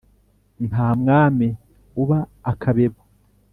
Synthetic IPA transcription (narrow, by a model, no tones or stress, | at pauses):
naːmŋaːme | uβaːkʰaβeβo